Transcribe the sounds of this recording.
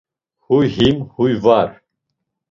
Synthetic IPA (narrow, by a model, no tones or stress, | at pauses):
hujhimhujvaɾ